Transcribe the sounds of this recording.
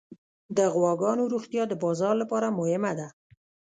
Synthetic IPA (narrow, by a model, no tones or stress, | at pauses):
d̪əɣwɑɡɑnoɾuxt̪jɑd̪əbɑzɑɾlapɑɾamʊhɪmad̪a